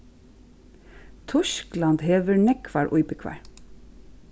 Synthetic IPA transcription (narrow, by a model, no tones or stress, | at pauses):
t̪ʰɔʃklɑnd̪heːʋəɹnɛkʰʋæːɹʔʊʏbəkʰʋæ̰ːɹ